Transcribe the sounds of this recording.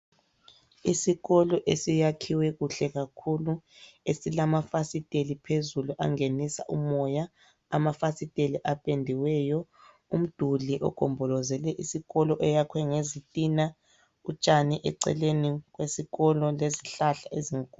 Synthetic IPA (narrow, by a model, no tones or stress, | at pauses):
isiɣɔlɔʔesijakʰiwɛɣuɬɛɣakʰuluesilamafasitʼelipʰezuluʔa̰ŋenisa̰ʔumɔjaː | mafasitʼeliʔapʼendʱiwɛːjɔ | um̩d̥ʱuliʔɔ̰ɡ̥ʱɔmbʱɔlɔzɛlɛʔisiɣɔlɔʔɛjakʰwɛŋezitʼina | ut͡ʃʼaniʔɛ̰ǀɛ̰leniɣwesiɣɔlɔleziɬaɬaeziŋkʼu